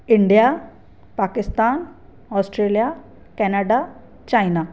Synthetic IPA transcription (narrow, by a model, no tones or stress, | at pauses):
iɳɖija | pakɪst̪aːn | ɔsʈɾeːlija | kɛnaɖa | t͡ɕajna